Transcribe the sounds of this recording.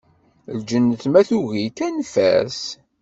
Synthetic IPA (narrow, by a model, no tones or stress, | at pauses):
ld͡ʒənːəθmæθuʝikænfæ̰s